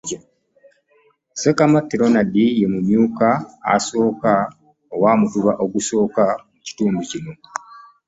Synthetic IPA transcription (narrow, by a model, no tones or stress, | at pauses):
sekamatːiɾo̞nadijemumjuːkaa̰so̞ːka | owaːmutuβaʔo̞ɡuso̞ːkamuci̥tuːmbucino̞